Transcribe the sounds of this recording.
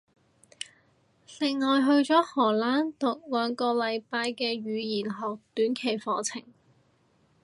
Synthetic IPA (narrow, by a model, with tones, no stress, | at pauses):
lɪ˨ŋŋɔː˨jɦɵ˧ɥt͡ʃɔː˨˥hɔː˨˩laː˨˥nt̪ʊ˨k̚lœː˨˧ŋkɔː˧lɐ˨˧jpaː˧jkɛː˧ɥyː˨˧jiː˨˩nɦɔː˨k̚t̪yː˨˥nkʰe˨˩jfɔː˨˥t͡sʰɪ˨˩ŋ